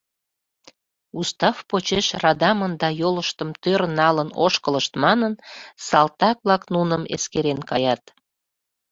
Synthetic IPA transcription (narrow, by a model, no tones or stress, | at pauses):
ust̪ɑfpot͡ɕeʃrɑd̪ɑmənd̪ɑjoləʃt̪əmt̪øɾnɑlənoʃkələʃt̪mɑnənsɑlt̪ɑk̚βlɑknunəmḛskeɾenkɑjɑt̪